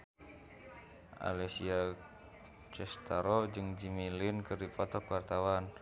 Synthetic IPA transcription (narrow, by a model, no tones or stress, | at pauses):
ʔa̰lɛsia | t͡ʃɛst̪aɾɔd͡ʒɨŋd͡ʒimilinkərdipʰɔt̪ɔkwart̪awan